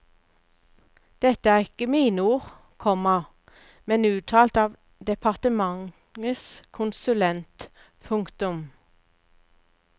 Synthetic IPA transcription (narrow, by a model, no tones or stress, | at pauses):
d̪̥ɛt̪əæːʁɪkəmiːnəuːʁ | kʰɔmɑ | mɛnʉːt̪ʰɑːlt̪ɑːʋ | d̪ɛpʰɑʁt̪əmɑŋ | əskʰʊnsʉlɛnt̪ | pʰʊŋkt̪ʊm